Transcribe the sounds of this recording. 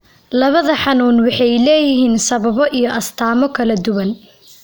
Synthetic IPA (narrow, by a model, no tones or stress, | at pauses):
lɐβɐðɐħɑnuːnwɑħɑjlɛːjɪɦiːnsɐβɐβɔʔijɔʔɐst̪ʰaːmɔkʰɐlɐd̪ʊwɐn